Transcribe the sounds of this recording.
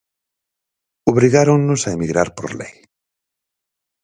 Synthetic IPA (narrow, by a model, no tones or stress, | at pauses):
oβɾiɣaɾoŋnʊsaemiɣɾaɾpo̰ɾlḛj